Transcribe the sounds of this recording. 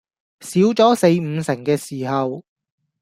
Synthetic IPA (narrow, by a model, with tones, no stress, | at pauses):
siː˨˥wt͡sɔː˨˥se˧jm̩˨˧sɪ˨˩ŋkɛː˧siː˨˩ɦɐ˨w